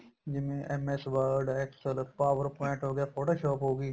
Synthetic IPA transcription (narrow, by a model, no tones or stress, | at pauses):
d͡ʒɪmẽːʔɛmɛsʋəɾɖɛːksəlpaːʋəɾpoɪɳʈɦoːɡɪjaːfʰoːʈoːʃɔːpɦoːɡiː